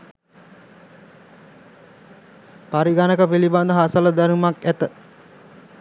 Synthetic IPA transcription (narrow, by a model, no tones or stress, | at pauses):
paɾiɡanəkəpiliband̪əɦasələd̪æɾumakæt̪ə